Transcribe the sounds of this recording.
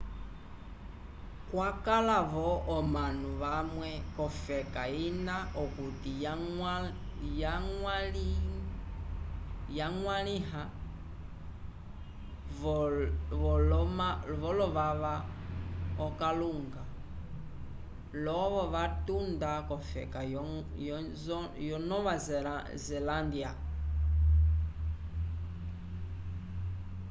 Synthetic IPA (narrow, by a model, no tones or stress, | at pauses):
kwakalaβɔːmanuβamwɛkɔfɛkainaɔkuti | ja | jaŋwaɺiɦa | ɔɔmavɔlɔʋaʋa | ɔkaluŋɡa | lɔβɔʋatundakɔfɛ̰kaɔj | jɔnɔβazɛ | zɛlandia